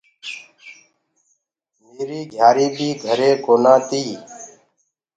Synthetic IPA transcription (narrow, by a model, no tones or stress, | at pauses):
meːɾiːɡʱjaːɾiːbʱiːɡʱəɾeːkoːnãːt̪iː